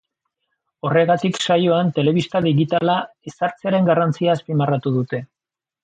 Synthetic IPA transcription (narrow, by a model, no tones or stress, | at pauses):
o̞re̞ɣat̪iksajo̞ant̪e̞le̞βist̪aðiɣit̪ala | e̞saɾt͡seaɾe̞ŋɡarant͡siaːspimarat̪uðut̪e̞